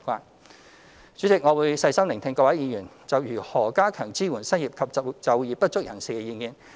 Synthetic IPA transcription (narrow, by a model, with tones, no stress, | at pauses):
kʷaː˨˧n | t͡ʃyː˨˥t͡sɪ˨k̚ŋɔː˨˧wuː˨˧jsɐ˧jsɐ˥mlɪ˨˩ŋt̪ʰɪ˧ŋkɔː˧waː˨˥jiː˨˧jyː˨˩n | t͡sɐ˨wjyː˨˩hɔː˨˩kaː˥kʰœː˨˩ŋt͡siː˥wuː˨˩nsɐ˥njiː˨p̚kʰɐ˨p̚t͡sɐ˨wjiː˨˧pːɐ˥t̚t͡sʊ˥k̚jɐ˨˩nsiː˨kɛ˧jiː˧˩ŋiː˨n